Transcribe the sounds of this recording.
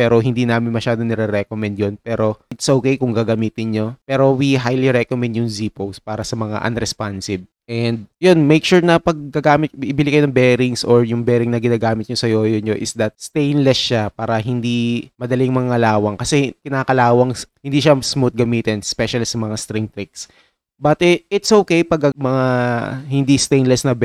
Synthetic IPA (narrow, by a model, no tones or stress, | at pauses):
pɛːɾo̞ɦɪnd̪iːnaːmɪnmɐʃaːd̪onɛɾɛɾɛkomɛnd̪̚jonpɛːɾo̞ɪt̪sʔoːkejkʊŋɡaɡɐmiːt̪ɪnɲo̞pɛːɾo̞wiɦajliɾɛkomɛnd̪jʊŋziːpowspaːɾɐsɐmɐŋa̰ʔɐ̰nɾɛspansɪb̚ | ʔɛnd̪̚jonmejkʃuɹnɐpɐɡ̚kɐɡaːmɪt̪̚ʔɪbɪlɪkɐjoɐŋbɛɾɪŋsʔoɹjʊŋbɛːɾɪŋnɐɡɪnaːɡaːmɪt̪̚ɲosɐjoːjoɲoʔɪsd̪ɐt̪̚st̪ejnlɛsʃapaːɾɐɦɪnd̪imɐd̪ɐlɪŋmɐŋaɐlaːwɐŋkɐsɛkɪnaːkɐlaːwɐŋhɪnd̪iʃɐsmut̪̚ɡɐmiːt̪ɪnspɛʃɐlisɐmɐŋast̪ɾɪŋt̪ɾɪk̚s | bat̪ɛɪt̪sʔowkejpɐɡɐmɐŋahɪnd̪ist̪ejnlɛsnɐb